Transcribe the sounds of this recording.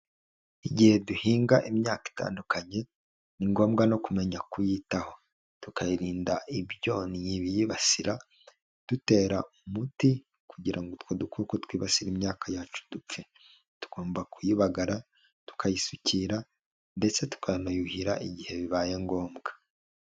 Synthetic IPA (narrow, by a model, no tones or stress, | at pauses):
iɟihe̞duhiːŋɡaʔimɲaːki̥ta̰ːndukaɲe̞ | niŋɡo̞ːmɡano̞kume̞ɲakujitaho̞ | tukajiɾiːndaʔiβjo̞nijiβijiβasiɾʔa | d̥ute̞ːɾaumuti | kuɟiɾaŋɡotwodukukotwiːβasiɾimɲaːkʰajaːt͡ʃu̥dup͡fe̞ | tu̥ɡ̥o̞ːmbakujiβaɡaɾa | tu̥kʰajisucʰiːɾa | nbe̞se̞tu̥kanojuhiɾaʔiɟihe̞βiβajeŋɡo̞ːmɡḁ